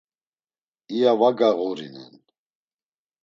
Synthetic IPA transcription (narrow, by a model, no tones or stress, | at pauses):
ijavaɡaɣɔɾḭnɛ̰n